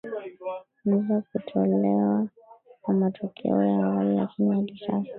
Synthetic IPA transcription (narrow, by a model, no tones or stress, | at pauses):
m̩zakutʰɔlɛwa | kamatʰɔkʰɛ̰ɔjahawalila̰kinijaɗiʃafa